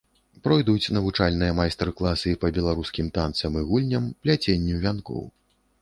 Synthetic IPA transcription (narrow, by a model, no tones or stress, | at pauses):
pɾɔjd̪ut͡sʲnɐvut͡ʂalʲnɨjɐmajst̪ɛrklˠasɨpɐbʲɛlˠaɾuskʲimt̪ant̪sɐmɨɣulʲnʲɐmplʲat͡sʲenʲːuvʲankɔ̰w